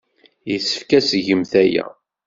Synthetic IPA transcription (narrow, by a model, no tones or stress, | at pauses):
jəsə̥fkæsəʝəmθæjæ̰